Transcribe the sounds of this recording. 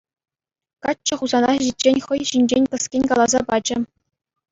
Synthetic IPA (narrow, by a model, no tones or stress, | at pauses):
kɑːɤ̆χuzɑnɑʑit̚ʲt͡ɕenʲχɤ̆jɕinʲd͡ʑenʲpɤ̆skʲenʲkɑlˠɑzɑpɑd͡ʑɘ̆